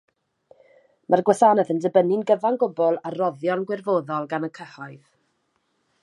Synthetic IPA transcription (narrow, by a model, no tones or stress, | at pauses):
mʔarɡwɛθaːnɛðəndəbənɪnɡəvanɡʊbɔlˠarɔðjɔnɡwɪrvoːðɔlˠɡanəkʰəhɔɨð